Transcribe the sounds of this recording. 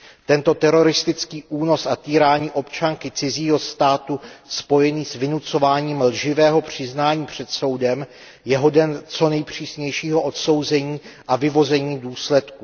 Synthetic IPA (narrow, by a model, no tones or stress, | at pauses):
t̪ɛnt̪o̞t̪ɛɾo̞ɾɪst̪ɪt͡skiːʔuːno̞sat̪iːɾaːɲiːʔo̞pt͡ʃaŋkɪt͡sɪziːɦo̞st̪aːt̪uspo̞jɛniːsvɪnut͡so̞vaːɲiːmlʒɪvɛːɦo̞pr̝̥ɪznaːɲiːpr̝̥ɛt̪so̞wdɛm | jɛɦo̞dɛnt͡so̞nɛjpr̝̥iːsɲɛjʃiːɦo̞ʔot̪so̞wzɛɲiːʔavɪvo̞zɛɲiːduːslɛt̪ku